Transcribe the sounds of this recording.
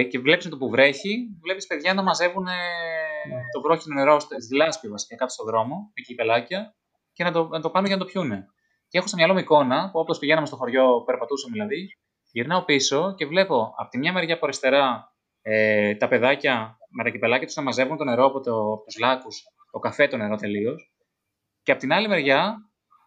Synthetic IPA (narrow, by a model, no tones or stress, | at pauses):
ce̞vle̞pismɐt̪opuvɾe̞çivle̞pispe̞ðʝɐnɐmɐze̞vune̞ | t̪o̞vɾo̞çinone̞ɾost̪ðilɐspiovɐsi̥cɐkɐt̪o̥st̪oðɾo̞mo̞miciipe̞lɐcɐ | ce̞nɐt̪onɐt̪o̞pɐnumecenɐt̪o̞pçune̞ | cee̞xosɐmɲɐlo̞miko̞nɐpuoplospiʝe̞nɐmest̪oxo̞ɾʝo̞pe̞ɾpɐt̪usɐmeðilɐði | ʝiɾnɐo̞piso̞ce̞vle̞po̞ɐ̰pot̪imɲɐme̞ɾʝɐpoɾest̪e̞ɾɐ | et̪ɐpe̞ðɐcɐmet̪ɐcipe̞lɐcɐt̪u̥snɐmɐze̞vunt̪o̞ne̞ɾo̞ɐpot̪opot̪uzlɐkus | t̪o̞kɐfe̞t̪o̞ne̞ɾo̞t̪e̞lio̞s | ceɐpo̞t̪inɐlime̞ɾʝɐ